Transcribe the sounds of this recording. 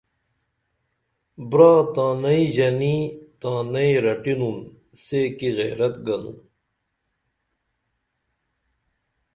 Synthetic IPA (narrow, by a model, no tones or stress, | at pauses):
bɾaːt̪aːnɐiʑɐnit̪aːnɐiɾɐʈinun | seːkiɣḛːɾɐt̪ɡɐnṵn